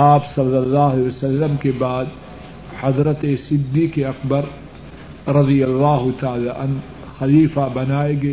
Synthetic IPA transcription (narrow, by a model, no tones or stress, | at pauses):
aːbsɐlːɐlːaːɦsɐlːəmkebaːd̪ | hɐd̪ɾət̪esɪd̪ːiːkeɐkbɐɾ | ɾɐd̪ijɐlːaːɦʊt̪aaːlaːʔɐn | xɐliːfabɐnaːeɡɐ